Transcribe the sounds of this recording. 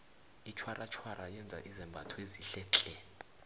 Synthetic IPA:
it͡ʃʰwarʔat͡ʃʰwaɾajɛnd͡zʱa̰ʔizɛmbʱatʰweziɬɛːt͡ɬʼɛ

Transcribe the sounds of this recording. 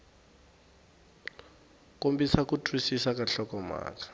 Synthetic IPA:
kombisakutʰʼwisisakaɬɔkɔma̰ːkḁ

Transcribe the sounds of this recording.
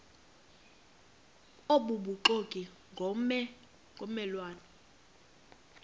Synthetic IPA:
oɓuɓuǃokʼi | ŋʱɔɛ | ŋʱɔmɛlwaːnɛ

